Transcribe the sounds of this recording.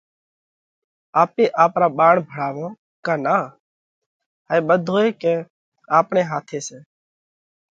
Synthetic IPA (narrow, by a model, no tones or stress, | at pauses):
aːpeːʔaːpɾaːbaːɳbʱəɽaːʋõː | kaːnaː | ɦaiːbəd̪ʱoːeːkeː | aːpɳeːɦaːt̪ʰeːseː